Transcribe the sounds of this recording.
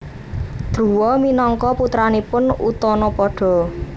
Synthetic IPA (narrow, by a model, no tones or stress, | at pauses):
d̪̥ɾuwɔminɔŋkɔput̪ɾanipʊnṵt̪ɔnɔpɔɖ̥ɔ̤